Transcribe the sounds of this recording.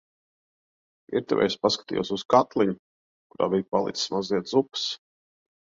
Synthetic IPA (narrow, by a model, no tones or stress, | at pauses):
ḭɾt̪ɛ̰vɛ̰jspaskḁt̪ḭjɛ̰suskat̪lˠiɲʊ | kuɾa̰ːbijpalˠḭssmaziɛt̪zups